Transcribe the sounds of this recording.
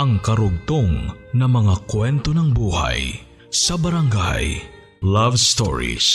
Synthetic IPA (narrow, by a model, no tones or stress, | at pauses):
ɐŋkɐɾʊɡ̚t̪oŋnɐŋmɐŋakwɛnt̪onɐŋbuːha̰j | sɐbɐɾɐŋɡa̰j | lavst̪o̰ɹḭs